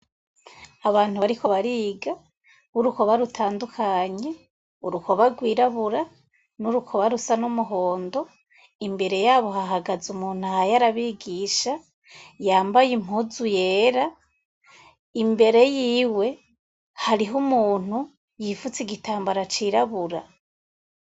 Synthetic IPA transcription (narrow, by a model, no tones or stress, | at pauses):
aβaːnhuβaɾikʰo̞βaɾiːɡa | uɾuko̞βaɾutʰaːndukʰaɲe̞ | uɾuko̞βaɡwiːɾaβuɾa | nuɾukʰo̞βaɾusanumuɦo̞ːndo̞ | imbe̞ɾe̞jaːβo̞haɦaɡazumuːn̥uahajaɾaβiɡiʃa | jaːmbajimuzujeːɾa | imbe̞ɾe̞jiːwe̞ | haɾiɦumuːn̥hu | jifut͡siɡitaːmbaɾat͡ʃiɾaβuɾa